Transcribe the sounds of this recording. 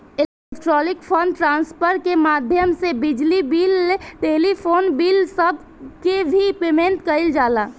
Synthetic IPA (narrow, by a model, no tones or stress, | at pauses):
ɪekʈɾɔːlɪkpʰənʈɾãːnspʰəɾkemaːd̪ʱjəmsebɪd͡ʒlibiːleʈeːlipʰoːnbiːlsəbʱ | kebʱipeːmẽnt̪kəɪld͡ʒaːlaː